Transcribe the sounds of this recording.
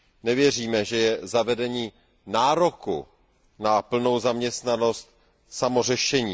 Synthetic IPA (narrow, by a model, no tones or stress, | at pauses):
nɛvjɛr̝iːmɛʒɛjɛzavɛdɛɲiː | naːɾo̞kṵ | napl̩no̞wzamɲɛst̪nano̞st̪̚ | samo̞r̝ɛʃɛɲiː